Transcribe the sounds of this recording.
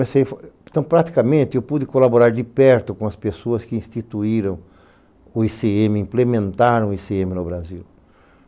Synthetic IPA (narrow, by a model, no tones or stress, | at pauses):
mesejft̪ɐ̃w̃pɾat̪i̥kamẽnt̪ɪewpud̪ɪkolaboɾaɾd̪ɪpɛɾt̪ʊkõɐspesoɐskɪĩst̪it̪uiɾɐ̃w̃ | ʊiseẽmɪĩplemẽnt̪aɾɐ̃w̃ʊiseẽmɪnʊbɾaziw